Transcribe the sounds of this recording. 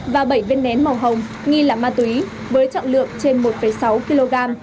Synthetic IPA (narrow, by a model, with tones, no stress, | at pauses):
vaː˨˩ɓə˧˩jve˧nːɛ˨˦nma˨˩wɦə˨˩wŋ͡m | ŋi˧laː˨˩maː˧t̪wi˨˦ | vəː˨˦jt͡ɕɔ̰˧˨ŋlɨ̰˧˨əŋt͡ɕe˧nmo˨˩t̚fə˧˩jsa˨˦wki˧lo˧ɣaː˧m